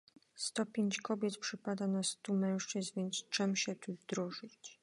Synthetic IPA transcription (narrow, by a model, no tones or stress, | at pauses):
st̪ɔpʲjeɲt͡ɕkɔbʲjɛt̪pʂɘpad̪anast̪umɛ̃w̃ʂt͡ʂɘzvʲjɛnt̪st͡ʂɛmɕɛt̪uvd̪ɾɔʐɘt͡ɕ